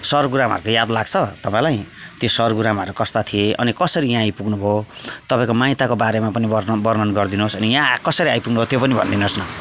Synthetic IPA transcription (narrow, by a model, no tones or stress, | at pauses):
sʌrɡuɾamɦʌ̰ɾukojad̪laɡt͡sʰʌt̪ʌpãĩlaj̃t̪josʌrɡuɾamʌɾukʌst̪at̪ʰieʔʌ̰nikʌsʌɾijãːjpuɡnubʱot̪ʌpãĩkomajt̪akobaɾemapʌnibbʌrnʌnɡʌrd̪inusʌnijãkʌsʌɾiajpuɡnubʱot̪jopʌnibʱʌ̰nd̪inosnʌ